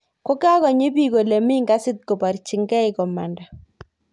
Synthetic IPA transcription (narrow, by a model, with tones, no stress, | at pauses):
ko˦ka˦kɔ˨ɲɪ˦bi˦ko˨le˨mi˦ŋɡa˦sɪ˦t̪̚kɔ˨pa˨ɾt͡ʃi˨ŋɡɛ˦ɪ˨kɔ˨ma˨nda˨